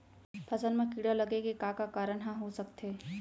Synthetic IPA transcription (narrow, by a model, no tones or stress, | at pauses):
pʰɐsənmẽkiɽalɐɡeɡekaːkakaːɾəɳɦãɦosɐkt̪eː